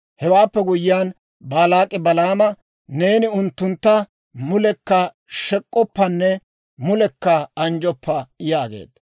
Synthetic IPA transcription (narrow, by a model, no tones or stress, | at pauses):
hɛwaːpːɛɡʊjɪjaːn | baːlaːkʼːɪbɐlaːmɐ | ne̞ːnɪʊnt̪ːʊnt̪ːɐ | mʊlɛkːɐ | ʃɛkʼːɔpːɐnːɛ | mʊlɛkːɐɐnd͡ʒɔpːɐjaːɡḛːt̪